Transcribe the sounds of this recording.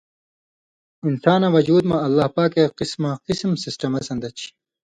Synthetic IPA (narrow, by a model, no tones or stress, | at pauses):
insaːnaʋɐd͡ʑuːd̪mɐ̃ɐlːaːhpaːkeqismaqismsisʈɐmɐsɐnd̪ɐt͡ɕʰi̥